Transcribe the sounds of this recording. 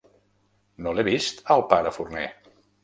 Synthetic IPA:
noleβist̪əlˠpaɾəfurnḛ

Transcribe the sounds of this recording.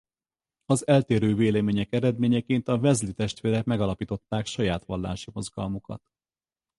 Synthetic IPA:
ɒzɛlt̪eːɾøːveːlɛmeːɲɛkɛɾɛd̪meːɲɛkeːnt̪ɒvɛzlit̪ɛʃt̪ʋeːɾɛkmɛɡɒlɒpiːt̪o̞t̪ːaːkʃɒjaːt̪ʋɒlːa̰ːʃimo̞zɡɒ̰lmukɒ̰t̪

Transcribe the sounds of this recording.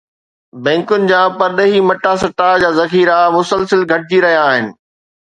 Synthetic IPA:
bɛ̃ːŋkʊnɪ̆d͡ʑaːpɐɾɗəɦimɐʈasɐʈad͡ʑaːzɐxiːɾamʊsəlsɪlɡʱɐʈɪd͡ʑiɾɐɦijaːɦɪnɪ̆

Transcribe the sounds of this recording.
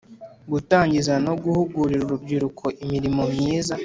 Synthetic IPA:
ɡutaːɲɟizano̞ɡuhuɡuɾiɾuɾubɟiɾukʰo̞ʔimiɾimo̞mɲiːza

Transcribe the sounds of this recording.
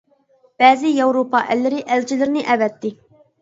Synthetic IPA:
b̥ɛːzijɑwɾupɑʔɛ̰lːɪɾɪʔɛlt͡ʃʰilɪɾnɪʔɛvɛt̪ːɪ

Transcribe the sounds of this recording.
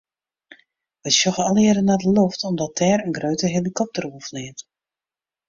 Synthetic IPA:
ʋɛsɔɣəɔlˠɪədənadəloftɔmdɔt̚ʰɛːrənɡrøɥtəɦelikʰɔp̚təruəvəlɪət

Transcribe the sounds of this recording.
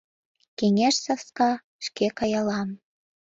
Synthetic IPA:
keŋʲeʃsɑfskɑ | ʃkekɑjɑlɑm

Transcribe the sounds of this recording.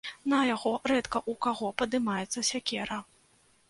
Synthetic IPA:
nɐjaɣɔɾɛt̪kɐʔukaɣɔpɐd̪ɨmajɛt̪sːɐsʲakʲɛɾɐ

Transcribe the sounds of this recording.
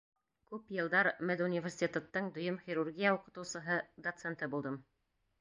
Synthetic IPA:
kʉpjɤ̆lˠd̪ɑɾmæd̪unʲivʲersʲit̪ʲet̪ət̪ːɤɴd̪ŏjɤmχʲiɾurɡʲijauqɤ̆t̪ɤ̆wsɤ̆ɦɤd̪ot̪sent̪ɤbulˠd̪ɤm

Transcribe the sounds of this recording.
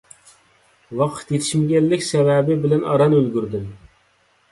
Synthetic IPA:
wɑqʰə̥t̪jet̪ʰiʃmɡʲɛlːɪkʲsɛvɛbɪbɪlɛnɑɾɑnølɡʲyɾd̪ɪm

